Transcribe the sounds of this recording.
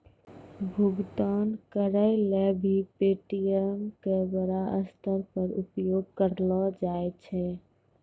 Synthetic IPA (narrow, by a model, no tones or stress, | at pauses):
bʱuɡt̪ankəɾəɪlebʱipeʈijəmkebəɾaʔəst̪əɾpəɾupjoɡkəɾlɔd͡ʒaet͡ʃʰɛ